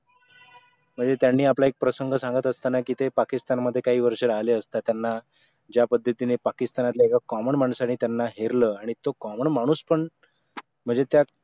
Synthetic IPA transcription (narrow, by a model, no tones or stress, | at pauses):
m̤əɳd͡zet̪janːiːaplaek̚pɾəsəŋɡʱəsãŋɡət̪əst̪anakiːt̪epakist̪anməd̪ʱːjekaɦiːʋəɾʂəlaleəst̪at̪janːa | d͡ʑjapəd̪ʱːət̪inepakist̪anat̪laekakɔməɳmaɳ̃saɽ̃it̪janːaɦeɾləaɽ̃it̪okɔməɳmaɽ̃uːspəɳ | m̤əɳd͡zet̪ja